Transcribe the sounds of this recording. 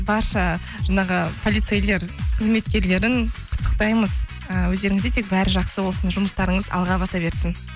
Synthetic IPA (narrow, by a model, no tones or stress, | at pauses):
bɑɾʃɑ | ʒɑɴɑʁəpʰo̞lʲˠijt̪sejle̞ɾqʰəzme̞t̪kʲe̞ɾle̞ɾɪŋqʰʊ̥t̪ʰːə̥q̚t̪ɑjməz | əwɵzd̪e̞ɾɪŋɪzd̪et̪ʰek̚bæɾɪʒɑqsəbo̞lˠsənʒʊməst̪ɑɾəɴəzɑ̰lˠʁɑbɑsɑbe̞ɾsɪn